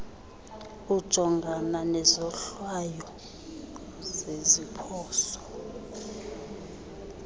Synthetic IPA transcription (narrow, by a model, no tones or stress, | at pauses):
ud̥ʒ̥ʱɔŋɡʱananɛzɔɬwajɔ | zezipʰɔːsɔ̥